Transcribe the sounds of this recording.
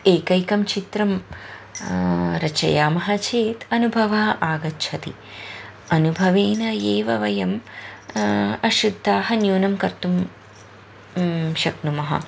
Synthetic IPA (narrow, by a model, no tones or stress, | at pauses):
eːkɐjkɐmt͡ʃit̪ɾɐm | ɾɐt͡ʃɐ̰jaːmɐɦɐt͡ʃeːt̪ɐnubʱɐʋɐɦɐʔaːɡɐtːʃʰɐt̪ḭ | ɐnubʱɐʋeːnɐjeːʋɐʋɐjɐm | ɐʃud̪ʱːaːɦɐnjuːnɐmkɐɾt̪um | ʃɐknumɐɦɐ̰